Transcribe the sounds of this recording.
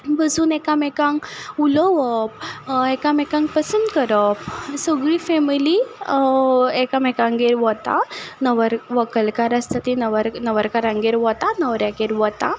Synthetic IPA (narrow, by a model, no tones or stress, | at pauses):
bəd͡zuːnɛkamɛkãŋulɔʋɔp̚ɛkamɛkãŋk̚pəsənd̪kəɾəp̚səɡɭifɛmili | ɛkamɛkãŋɡeɾʋɔt̪a̰nəʋəɾʋəkəlkaɾəst̪at̪inəʋəɾnəʋəɾkaɾãŋɡeɾʋɔt̪anəʋɾjaɡeɾʋɔt̪a